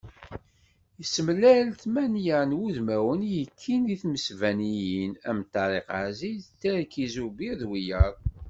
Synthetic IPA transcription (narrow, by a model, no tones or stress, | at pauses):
jəsːəmlælt̪mænjənwuðmæwənjəkʰːiniθməsvænijinæmt̪ːɑɾˤeqazit̪ːæɾkizubiðwijəɾˤ